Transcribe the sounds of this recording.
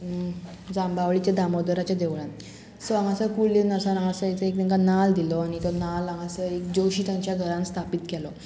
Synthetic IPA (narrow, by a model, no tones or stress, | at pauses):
d͡zãmbʱaʋɭit͡ɕjad̪amɔd̪əɾat͡ɕjad̪eʋɭãn | səaŋasəkulːenəsaɾãŋasəet͡səekniŋkanald̪ilɔañit̪ɔnalaŋasəekd͡ʑoɕiːt̪jãɲt͡ɕjaɡʱəɾãnst̪ʰapit̪kɛlɔ